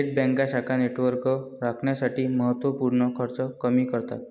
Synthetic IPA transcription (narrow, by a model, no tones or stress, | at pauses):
eʈ̚bɛ̃ŋkaɕakʰaneʈʋəɾkə | ɾakʰɳjasaʈiːməɦət̪ʋəpuɾɳəkʰəɾt͡səkəmiːkəɾt̪a̰t̪̚